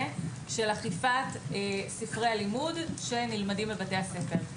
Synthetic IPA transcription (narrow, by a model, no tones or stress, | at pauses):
ʃe̞laχifatsifʁealimudʃe̞nilmadimbebate̞jase̞fe̞ʁ